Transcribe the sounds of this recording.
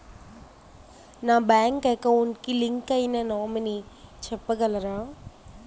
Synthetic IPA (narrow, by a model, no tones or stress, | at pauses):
naːbaːŋkɛːkːɐunkiliŋkɐjnanoːmɐnit͡ʃɛpːɐɡɐlɐɾaː